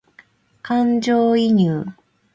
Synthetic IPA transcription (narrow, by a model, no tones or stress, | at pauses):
kãɲd͡ʑoːiɲʲɯː